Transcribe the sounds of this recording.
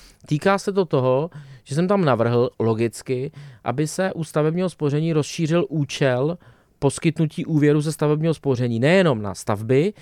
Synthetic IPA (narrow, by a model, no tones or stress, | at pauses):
t̪iːkaːsɛt̪̬o̞t̪o̞ɦoʒ̥ɛs̬ɛmt̪amnavr̩ɦl̩lo̞ɡɪt͡skɪʔa̰bɪsɛʔust̪avɛbɲiːɦo̞spo̞rɛɲiːɾo̞sʃiːrɪlʔuːt͡ʃɛl | po̞skɪt̪nuciːʔuːvjɛɾuzɛst̪avɛbɲiːɦo̞spo̞r̝ɛɲiːnɛjɛno̞mna̰st̪avbɪ